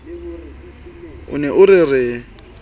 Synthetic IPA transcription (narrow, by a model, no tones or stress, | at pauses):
ʊ̰nɛʔʊrɪrɪ